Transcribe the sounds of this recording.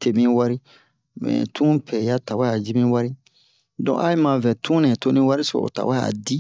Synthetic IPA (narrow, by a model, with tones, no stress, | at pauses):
te˨mĩ˦wa˦ɾi˦ | mɛ̰̃˨tʰũ˦pʰɛ˨ja˦ta˨wa˦a˨d͡ʒi˦mĩ˦wa˦ɾi˦ | dɔ̰̃˨ʔa˦i˦mã˨vɛ˨tʰũ˦nɛ̃˨to˦nĩ˦wa˦ɾi˦so̰˨o̰˨ta̰˨wa˦a̰˨di˦